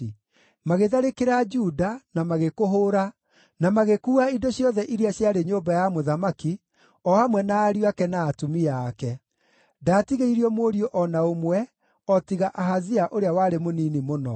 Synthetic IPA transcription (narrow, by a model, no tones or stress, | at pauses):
maɣeðaɾekeɾad͡ʒudanamaɣekoɦoːɾa | namaɣekuːaidoɕjɔðɛʔiɾiaɕjaɾeɲoːbajamoðamaki | ɔhamwɛnaːɾjwakɛnaːtumiakɛ | daːtiɣeiɾiɔmoɾiɔʔɔnaomwɛ | ɔtiɣaʔaɦaziaʔoɾeawaɾemoniːnimonɔ